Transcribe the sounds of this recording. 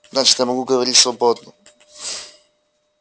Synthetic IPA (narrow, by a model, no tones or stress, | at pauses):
znaːt͡ʃi̥t̪ɛmoɡuɡoʋeɾit̪slˠobod̪nu